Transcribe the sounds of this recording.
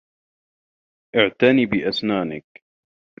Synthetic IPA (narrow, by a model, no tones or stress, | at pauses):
ʔɪʕt̪aniːbɪʔasnaːnɪk̚